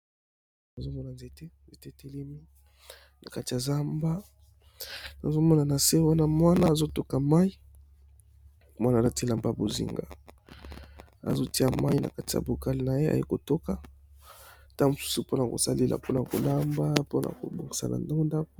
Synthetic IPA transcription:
na˨zo˦mɔ˦na˨nze˨te˦nze˨te˦te˨le˦mi˦ | na˨ka˦ti˨ja˨za˦mba˦ | na̰˨zo˦mɔ˦na˨na˨se˦wa˦na˦˨mwa˦naː˦˨zo˦to˦ka˨ma˦ji˦ | mwa˦na˨a˦ti˦la˨mba˦a˨bo˨zḭ˨ŋɡa̰˨ | a̰˨zo˦ti˦a˨ma˦i˦na̰˨ka˦ti˨ja̰˨bo˨ka˦li˦na˨je˦a̰˨jḛ˦ko˨to˦ka˦ | ta˦mo˨su̥˦su˦po˦na˨ko̰˨sa˦le˦lʔa̰˨po˦na˨ko̰˨la˦mba˦po˦na̰˨ko̰˨bo˨ŋɡi˨sa̰˨na̰˨nda˦o˦nda˦ko̥˦

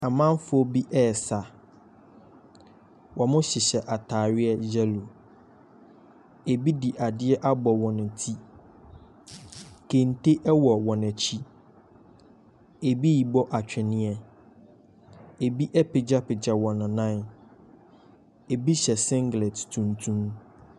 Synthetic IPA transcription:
a˨mã˦m˦fʊ˦ɔ˦bi˦ʔɛː˦˨sa˨ | wɔ̃˨mʊ̃˦ɕɪ˨ɕɛ˨ʔa˨tʰaː˨ɥɪ˦ɛ˦d͡ʑɛ˦lo˨ | e˨bi˦di˨ʔa˨dɪ˦ɛ˦ʔa˦bɔ˨wɔ̃˨nʊ̃˨tʰi˦ | kʰẽ˨n˨te˦ʔɛ˦wɔ˨wɔ̃˨nɛ̃˨t͡ɕʰi˦ | e˨bi˦ji˨bɔ˦ʔa˨t͡ɕᶣʰɛ˨nɪ̃˦ɛ˦ | e˨bi˦ʔɛ˦pɪ˨d͡ʑa˦pɪ˨d͡ʑa˨wɔ̃˨nʊ̃˨nã˦n | e˨bi˦ɕɛ˨sɪ̃˦ŋɡlɛ˨ttʰũ˨ntʰũ˦m

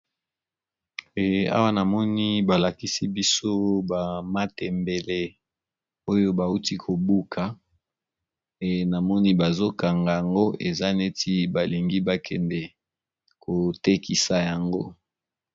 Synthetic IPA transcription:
a̰˦wa˦na˨mɔ˦ni˦ba˨la˨ki˦si˦bi˦so˦ba˨ma˦tɛ˨mbe˨le˨ | o˦jo˦ba˨u˦ti˦kʰo˨bu˦kʰa˨ | e˨na˨mɔ˦ni˦ba˨zo˦ka˨ŋɡa˨ja˨ŋɡo˦ʔe˨za˦ne˦ti˦ba˨li˨ŋɡi˦ba˨kʰɛ˨ndɛ˨ | ko˨te˦ki˨sa˨ja˨ŋɡo˦

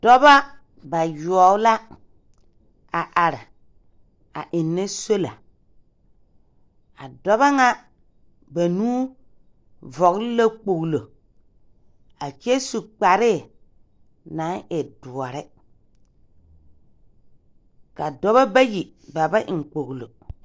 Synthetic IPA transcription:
d̥ɔ˦ba˦ | ba˨ju˨ɔ˨˦la˦ | a˨ʔa˨ɾɪ˨ | a̰˨ʔɪ˨nːɛ˦so˦la˨ | a˨dɔ˦βa˦ŋa˦ | ba˨nuː˦ | vɔ˨ɣllo˦k͡po˨ɣlo˨ | a˨t͡ʃe˦su˨k͡pa˨ɾɪ˦˨ | nã˨˦ʔɪ˨dʊ˨ɔ˨ɾɪ˦ | ka˨dɔ˦βa˦ba˦ji˨ba˨ba˦ʔɪ˨ŋ˨k͡po˨ɣlo˨

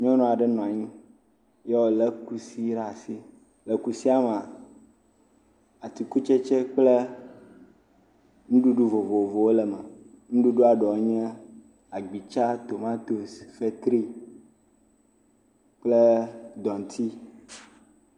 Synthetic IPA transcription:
ɲ˦ɔ̃˦nɔ̃˦˨a˨ɖɛ˦nɔ̃˨a˨ɲĩ˦ | je˦wo˦lə˦ku˦si˦ɾa˦˨si˦ | le˨ku˦si˦a˦m˨a˨ | a˨t̪i˨ku˦t͡ʃɛ˦t͡ʃɛ˦k͡ple˦ | ŋũ˦ɖu˦ɖu˦vo˨vo˨vo˨wo˦lɛ˨mɛ˨ | ŋũ˦ɖu˦ɖu˦a˨ɖɔ˨˦ɲɛ̃˦ | a˨ɡ͡bi˨t͡ʃa˦t̪o˨mã˦t̪o˨sfe˦t̪ɾi˦ | k͡ple˦d̪ɔ˨ŋ˨t̪ʰi˦

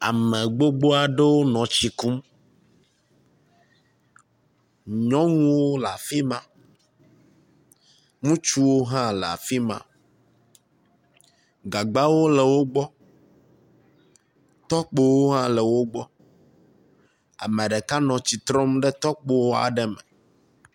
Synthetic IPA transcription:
a̰˨mɛ̃˨ɡ͡bo˦ɡ͡bo˦a˨ɖe˦wo˦nɔ̃˨t͡ɕi˨ku˦m | ɲɔ̃˦ŋ̃ũ˦wo˦la˨fi˦mã˨ | ŋũ˦t͡ʃu˦wo˦ɦã˦lɛ˨a̰˨fi˦mã̰˨ | ɡa˨ɡ͡ba˦wo˦lɛ˨wo˦ɡ͡bɔ˦ | t̪ɔ˦k͡pe˦wo˦ɦã˦lɛ˨wo˦ɡ͡bɔ˦ | a̰˨mɛ̃˨ɖɛ˨ka˦nɔ̃˨t͡ɕi˨t̪ɾɔ̃˦mɖe˦t̪ɔ˦k͡po˦wo˦a̰˨ɖɛ˦mɛ̰̃˨

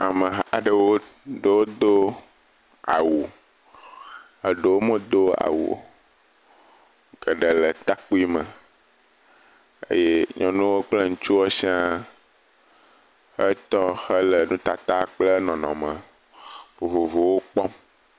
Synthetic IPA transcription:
a˨mə̃˨ɦa˨ɖə˨wo˦ | ɖə˦wo˦d̪o˦ | a̰˨wu˨ | ə˨ɖə˨wo˦mə˦d̪o˦a̰˨wṵ˨ | ɡ̥ə˨ɖə˨lə˨t̪a˦k͡pu˦i˦mə̃˨ | ḛ˦je˦ɲʔɔ̃˨nũ˦wo˦k͡ple˦ŋũ˨t͡ʃu˦wo˦si˦ã˦ | xə˦t̪ɔ˦hə˦lə˨nũ˦t̪a˨t̪a˦k͡plə˦nɔ̃˨nɔ̰̃˨mə̃˨ | fo˨vo˨vo˨wo˦k͡pɔ˦m

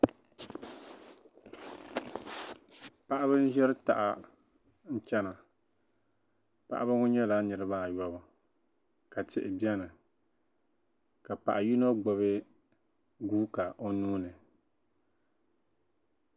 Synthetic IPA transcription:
pa˦ʔa˦βɨ˦n˦ʒɛ˦ɾɨ˦ta̰˨ʔa˨ | n̩˦t͡ʃɛ˦na˨ | pa̰˦ʔa˦bɨ˦ŋʊ˦ɲɛ˦la˦nɨ˨ɾɨ˦ba˦˨jɔ˦bɨ˨ | ka˨tɪ̰˦ʔɪ˨bi˦ɛ˦nɨ˨ | ka˨pa̰˨ʔa˨ju˦no˦ɡ͡bɔ˨βɨ˦ | ɡuː˦ka˨ʔo˦nuː˦nɨ˨

